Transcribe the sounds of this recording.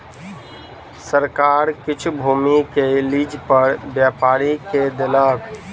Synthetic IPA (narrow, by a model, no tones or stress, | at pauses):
səɾkaːɾkɪt͡ʃʰbʱuːmikeliːd͡ʒpəɾbjaːpaːɾiked̪elək